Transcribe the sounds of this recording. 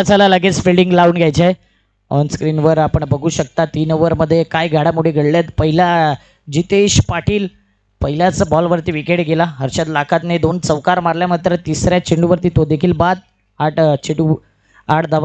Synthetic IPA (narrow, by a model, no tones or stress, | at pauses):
at͡salalaɡet͡sfilɭɖiŋɡlauːnɡjajt͡ɕae | ɔ̰nskɾinʋəɾapəɳbəɡʱuːɕək̚t̪at̪iːnʋəɾməd̪ʱːjekajɡʱaɽamuɽ̤eɡʱəɽljat̪pəɦilja | d͡ʑit̪eɕpaʈʰiːl | pəɦiljat͡səbɔlʋəɾt̪iːʋikeɳɡelaɦəɾɕat̪lakʰat̪ned̪ont͡səʋkaɾmaɾljamat̪ɾət̪isɾjat͡ɕiɳɖuʋəɾt̪iːt̪od̪ekʰiːlbad̪̚ | aʈt͡ɕiʈu | aʈd̪əʋ